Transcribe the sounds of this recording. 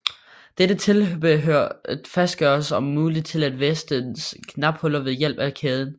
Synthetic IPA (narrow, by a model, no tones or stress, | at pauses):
d̥ed̥ət͡sʰe̝lb̥øfæsd̥̚ɡ̥ɶːɐɐsɒ̽mːuːlið̥ˠt͡sʰe̝læd̥ʋesd̥ənskʰnɑ̈b̥hɔ̽lɐʋe̝ðˠjel̰b̥ækʰeːð̞ˠn̩